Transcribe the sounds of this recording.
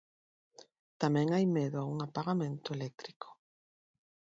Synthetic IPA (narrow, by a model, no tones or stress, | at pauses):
t̪amɛ̃ŋajmeðʊauŋapaɣamẽnt̪ʊelɛk̚t̪ɾikʰʊ̥